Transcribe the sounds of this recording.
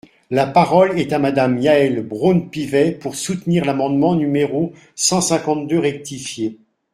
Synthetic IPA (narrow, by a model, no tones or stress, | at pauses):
lapaʁɔlɛt̪amad̪amjaɛlbʁonpivɛpuʁsut̪niʁlamɑ̃d̪mɑ̃nymeʁo | sɑ̃sɛ̃kɑ̃t̪̚d̪øʁɛk̚t̪ifje